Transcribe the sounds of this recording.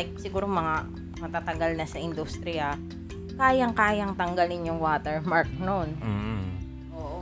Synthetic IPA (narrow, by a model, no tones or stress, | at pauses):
k̚sɪɡuːɾomɐŋa | mɐt̪at̪ɐɡɐlnɐsɐʔɪnd̪ust̪ɾɪjɐ | kaːjɐŋkaːjɐŋt̪ɐŋɡɐlɪnjʊŋwaːt̪ɛɹmaɹk̚non | ʔoʔ